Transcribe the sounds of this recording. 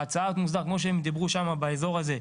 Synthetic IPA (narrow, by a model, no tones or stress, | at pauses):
at͡saat̪muzd̪aʁkmo̞ʃ̬eemid̪abʁuʃamabaezo̞ʁaze̞